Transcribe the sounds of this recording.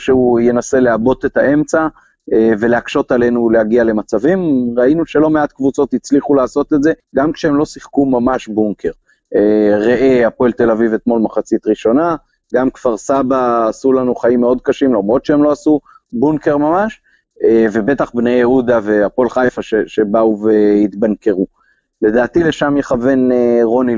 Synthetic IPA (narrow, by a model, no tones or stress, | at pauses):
ʃeuje̞nase̞leabo̞t̪et̪aʔe̞mt͡sa | eve̞leakʃo̞t̪ale̞nulehaɡiale̞mat͡savimʁainuʃe̞lo̞meat̪kvut͡so̞t̪it͡sliχulaːso̞t̪etze̞ɡamkʃeemlo̞siχkumamaʃbuŋkʰe̞ʁ | eʁeʔeapoelte̞lavivet̪mo̞lmaχat͡sit̪ʁiʃo̞na | ɡamkv̥aʁsabaːsulanuχaimːeo̞d̪̚kaʃimlamʁo̞dʃeemlo̞asu | buŋke̞ʁmamaʃ | eve̞be̞t̪aχbnejeud̪ave̞apoelχajfaʃeʃe̞bauve̞it̪banke̞ʁu | le̞d̪aːt̪ile̞ʃamjeχave̞nʁo̞ni